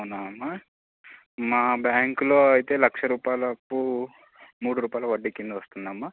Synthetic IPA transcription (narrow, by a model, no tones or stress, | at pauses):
ɐnaɐmːa | maːbjaːŋkloːɐjit̪e̞ːlɐkʂɐɾuːpaːjlɐpːu | muːɽuɾuːpaːjlɐʋɐɖːikːind̪uʋɐst̪und̪ɐmːa